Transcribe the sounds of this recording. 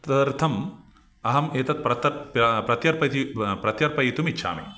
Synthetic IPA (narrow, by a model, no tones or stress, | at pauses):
t̪ɐɐɾt̪ʰɐm | ɐɦɐmeːt̪ɐt̪̚pɾɐt̪ɐpɾɐt̪jɐɾpɐt̪ipɾɐt̪jɐɾpɐjit̪umitːʃʰa̰ːmḭ